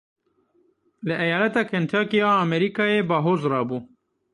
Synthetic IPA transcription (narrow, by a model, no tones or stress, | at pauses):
ləʔɐjɑːlat̪ɑːkʰant̪ʰɑːkijɑːmeɾikɑːjebɑːɦoːzɾɑːbuː